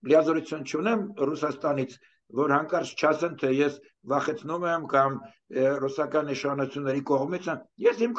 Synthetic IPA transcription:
lijɑzɔɾut͡sʰjunt͡ʃʰunɛmrusɑst̪ɑnit͡sʰ | vɔɾhɑŋkɑɾt͡sʰt͡ʃʰɑsɛnt̪ʰɛjɛs | vɑχɛt͡sʰnumɛmkɑm | rusɑkɑniʃχɑnut͡sʰjunːɛɾikɔʁmit͡sʰəjɛshim

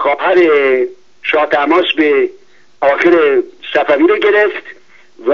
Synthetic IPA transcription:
xɒːpʰæɾe | ʃɒːt̪ʰæmɒːsbe | ɒːxeɾesæfæviːɾoɡeɾeft̪ | v

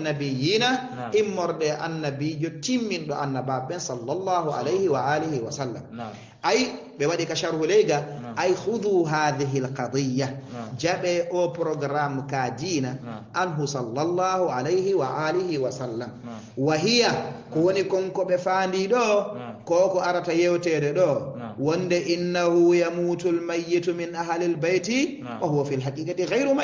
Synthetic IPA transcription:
nːabijina | ʔimːɔɾɗɛʔanːabiːd͡ʒɔtimːinɗɔʔanːababɛnsalːalːaːhuʔa̰lejhiwaʔaːlihiwasalːa̰m | ʔaj | ɓɛwaɗikaʃaɾhulɛjɡaʔajxuðuːɦaːðiɦilqɑd̪ˤijːad͡ʒaɓɛʔɔpɾɔɡɾamkadiːnaʔanɦusɑlːɑlːɑːhuʕalejhiwaʔalihiwasalːam | waɦijakɔwonikɔŋkɔɓɛfaːndiɗɔkɔkɔaɾatajɛwtɛːdɛɗɔwɔndɛʔinːahujamuːtulmajːitmɪnʔaɦlilbajti | wahuwafilɦakʼiːkʼatiɣajɾma

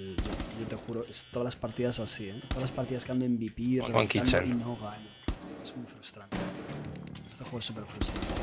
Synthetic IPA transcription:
jojot̪exuɾoest̪oðalaspaɾt̪iðasasiet̪oðalaspaɾt̪iðaskeand̪oembipikiant͡ʃninoɣaɲet̪iesmujfɾust̪ɾant̪e | est̪exuɾsupeɾfɾust̪ɾant̪

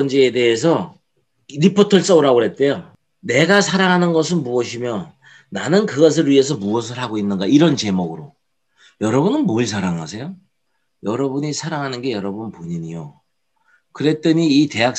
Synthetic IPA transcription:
ʌnd͡ʑiːde̞ːsʰʌ | ɾipʰotʰʌɭs͈ʌuɾaɡoɾe̞t̚t͈ejo | ne̞ɡasʰaɾaŋɦanɯnɡʌs̬ʰɯnmuʌɕʰimjʌ | nanɯnkɯɡʌs̬ʰɯɭɥie̞s̬ʰʌmuʌs̬ʰɯɭɦaɡoinːɯnɡaiɾʌnt͡ɕe̞moɡɯɾo | jʌɾʌbunɯnmoɭs̬ʰaɾaŋasʰe̞jo | jʌɾʌbuɲisʰaɾaŋɦanɯnɡe̞jʌɾʌbunpoɲiɲijo̰ | kɯɾe̞t͈ʌɲiːte̞ɦak̚

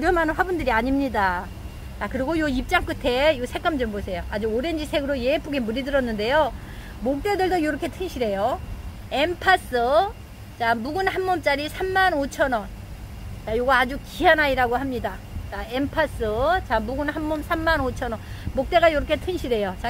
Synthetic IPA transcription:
oɾjʌmanɯnɸwabundɯɾiaɲimɲida | t͡ɕakɯɾiɡojoip̚t͡ɕ͈aŋk͈ɯtʰe̞josʰe̞k͈amd͡ʑɯmbosʰe̞joad͡ʑuoɾend͡ʑisʰe̞ɡɯɾoje̞epʰoɡemuɾidɯɾʌnːɯnde̞jo | mok̚t͈e̞dɯɭdojoɾʌkʰe̞tʰɯŋɕʰiɾe̞jo | e̞mpʰas͈ɯ | t͡ɕamuɡunhanmʌmt͡ɕ͈aɾisʰamːanot͡ɕʰʌnʌn | t͡ɕajoɡaːd͡ʑukianaiɾaɡoɦamɲida | t͡ɕaempʰas͈ɯt͡ɕamuɡunhanmːomsʰamːanot͡ɕʰʌnʌnmok̚t͈e̞ɣajoɾʌkʰe̞tʰɯŋɕʰiɾe̞jot͡ɕa

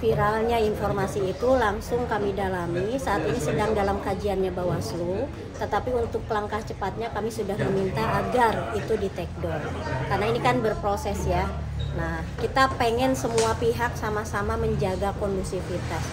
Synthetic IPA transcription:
fiɾalɲainfɔrmasiːt̪ulaŋsʊŋkamidalamisaːt̪inisədaŋdalamkad͡ʒianɲabawaslu | t̪ət̪apiunt̪ʊk̚pəlaŋkaht͡ʃəpat̪̚ɲakamisudahməmint̪aʔaɡarit̪udit̪ɛk̚dɔrkarnainikanbərpɾosɛsja | nahkit̪apeŋɛnsəmuapiɦak̚samasamaməɲd͡ʒaɡakɔndusifit̪as

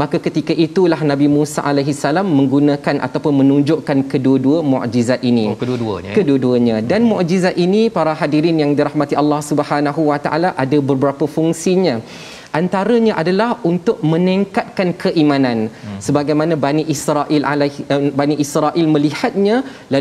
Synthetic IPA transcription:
makakət̪ikaʔit̪ulahnãbimũsa̰ʔalajɦisalamːə̃ŋɡunãkanʔa̰t̪apʊnmə̃nũɲd͡ʒʊʔkankəduəduəmɔ̰ʔd͡ʒizat̪̚inikəkəduəduəɲãdanmɔʔd͡ʒizat̪̚inipaɾaɦadiɾɪnjaŋdiɾahmat̪ialːɑhsubəhanaɦuwat̪a̰ʔa̰laʔadabərbəɾapəfuŋsiɲã | ʔant̪aɾəɲãʔadalahunt̪ʊʔ̚mə̃niŋkat̪̚kankʰəʔimãnãnsəbaɡajmãnãbaniʔisɾaʔilalbaniʔisɾaʔɪlmə̃lihat̪̚ɲã | la

